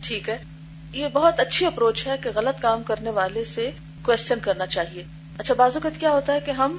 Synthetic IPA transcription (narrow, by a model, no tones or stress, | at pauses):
ʈʰiːkɦɛː | jebɐɦɔt̪ɐtːʃʰiɐpɾoːt͡ʃɦɛkeɣɐlət̪kaːmkɐɾneʋaːlese | kwɛːst͡ʃənkɐɾnat͡ʃaːɦieː | ɐtːʃʰabaːzʊkət̪kjaːɦoːt̪aɦɛkeɦɐm